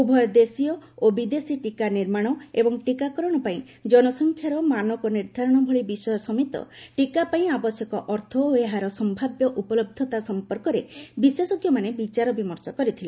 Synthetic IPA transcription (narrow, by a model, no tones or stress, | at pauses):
ubʱɔjɔd̪esiɔobid̪esiʈikaniɾmaɽ̃ɔebɔŋʈikakɔɾɔɽ̃ɔpaĩ | d͡ʒɔnɔsɔŋkʰjaɾɔmanɔkɔniɾd̪ʱaɾɔɽ̃ɔbʱɔɭibisɔjɔsɔmit̪ɔ̰ʈikapaĩabɔsɔkɔʔɔɾt̪ʰɔeɦaɾɔsɔmbʱabjɔʔupɔlɔb̚d̪ʱɔt̪asɔmpɔɾkɔɾebiswesɔɡjɔmanebit͡ʃaɾɔbimɔɾsɔkɔɾit̪ʰile